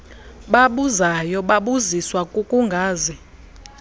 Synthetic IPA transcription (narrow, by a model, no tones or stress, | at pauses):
ɓaɓuzajɔɓaɓuziswakʼukʼuŋɡʱaːzi